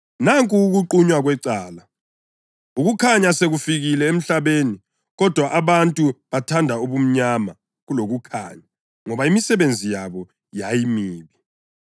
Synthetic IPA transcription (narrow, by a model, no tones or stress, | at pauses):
naŋkʼuːɣuǃuɲwaɣwɛǀaːla | uɣukʰaɲaseɣufiɣilɛem̩ɬaβeːni | ɣɔd̥ʱwaʔaβantʼuβatʰandʱauβum̩ɲama | ɣuloɣukʰa̰ɲa | ŋɔβaimisɛβend͡zʱijaβɔ | jajimiːβi